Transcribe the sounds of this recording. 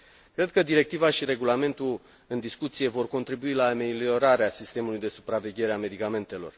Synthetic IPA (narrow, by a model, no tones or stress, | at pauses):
kɾe̞d̪̚kəd̪iɾe̞k̚t̪ivaʃiɾe̞ɡulame̞nt̪ul | ɨnd̪iskut̪sije̞vo̞rko̞nt̪ɾibuilaːme̞lio̞ɾaɾeasist̪e̞mulujd̪e̞supɾave̞ɡʲe̞ɾeame̞d̪ikame̞nt̪e̞lo̞̰r